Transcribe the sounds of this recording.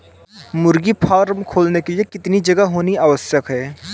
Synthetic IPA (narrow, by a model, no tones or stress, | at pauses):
mʊɾɡipʰaːɾmkʰoːlnekeliekɪt̪nid͡ʒɐɡaɦoːniaːʋəsjəkɦɛː